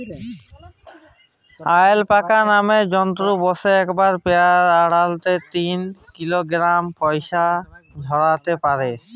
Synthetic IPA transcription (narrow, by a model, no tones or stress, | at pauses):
ajelpakanamed͡ʑɔnt̪ɾubɔseɛkbaɾpeaɾaɽalt̪et̪inkiloɡɾampɔjʃad̪ʱɔɾat̪epaɾe